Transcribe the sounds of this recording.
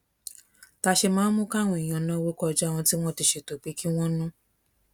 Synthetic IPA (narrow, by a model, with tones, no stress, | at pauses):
ta˧ʃe˧mãː˨˦mũ˦ka˦˨w̃ɔ̃˧˨i˨j̃ã˧nã˦wo˦kɔ˧d͡ʒa˦˨w̃ɔ̃˧ti˦w̃ɔ̃˦ti˧ʃe˧to˨k͡pi˨˦ki˦w̃ɔ̃˦nũ˦